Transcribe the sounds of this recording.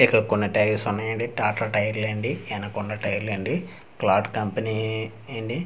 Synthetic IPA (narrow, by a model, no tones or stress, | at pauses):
ekɐlkunːɐʈɐjʋsunːɐjɐɳɖiʈaːʈɾɐʈɐjɐɾleɳɖiɛnɐkuɳɖɐʈɐjɐɾlɐɳɖi | klaːɖkɐmpɐni | eːɳɖi